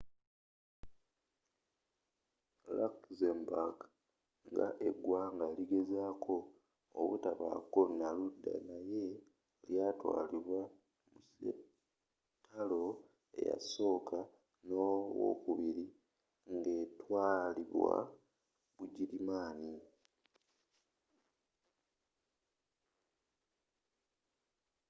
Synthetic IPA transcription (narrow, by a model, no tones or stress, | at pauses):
lakzembaɡ | ŋɡa̰ʔe̞ɡwaːŋɡaliɡe̞zaːkʰo̞̰ː | βutaβa̰ko̞naludːa̰naje̞ | ljaːtwa̰ːliβwa | muse | tʰalo̞ | e̞̰ja̰so̞ːkʰa | nowo̰kuβiɾi | ŋɡe̞ːtwaːliβwa̰ | βuɟilimaːni